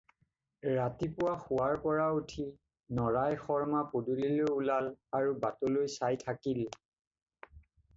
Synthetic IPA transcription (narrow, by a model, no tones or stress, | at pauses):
ɹatipʊwaxʊwaɹpɔɹautʰi | nɔɹajxɔɹmapodulilojulalaɹubatolojsajtʰakil